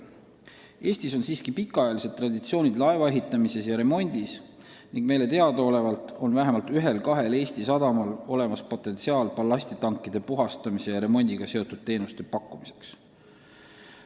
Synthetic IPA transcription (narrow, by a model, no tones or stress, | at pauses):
e̞ːsʲt̪iso̞nsiːskipikːˑɑɑjɑlise̞d̪̥̚t̪ːrɑd̪it̪sio̞ːnʲid̪lɑevɑe̞ɦit̪ːˑɑmise̞sjɑɾe̞mo̞nʲd̪̥is | niŋɡ̥me̞jle̞t̪e̞ɑd̪̥ɑo̞le̞vɑlt̪ˑo̞nvæɦe̞mɑlt̪yɦe̞lkɑɦe̞le̞ːst̪isɑd̪̥ɑmɑlo̞le̞mɑspo̞t̪ːˑe̞nt̪siɑːlpɑlːɑsʲt̪it̪ɑŋkːˑid̪̥e̞puɦɑst̪ɑmise̞jɑɾe̞mo̞nʲd̪̥iɡ̥ɑse̞ot̪ːˑud̪̥̚t̪e̞ːnust̪e̞pɑkːˑumise̞̥ks